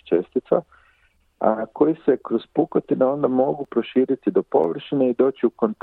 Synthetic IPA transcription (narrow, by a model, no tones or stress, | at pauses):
t͡ʃe̞st̪it̪sa̰ | ako̞jise̞kɾo̞spukot̪ineo̞nd̪amo̞ɡupɾo̞ʃiːɾit̪id̪o̞po̞̰ʋr̩ʃine̞id̪o̞ːt͡ɕiuko̞nt̪